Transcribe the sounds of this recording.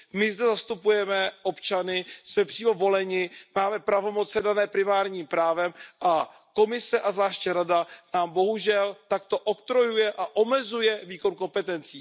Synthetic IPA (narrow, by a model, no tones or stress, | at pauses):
mɪzdɛzast̪upujɛmɛʔo̞pt͡ʃanɪsmɛpr̥iːmo̞vo̞lɛɲɪmaːmɛpɾavo̞mo̞t͡sɛdanɛːpɾɪmaːɾɲiːmpɾaːvɛmʔa | ko̞mɪsɛʔazvlaːʃcɛɾadanaːmbo̞ɦuʒɛlt̪akt̪o̞ʔot̪ɾo̞jujɛʔaʔo̞mɛzujɛviːko̞nko̞mpɛt̪ɛnt͡siː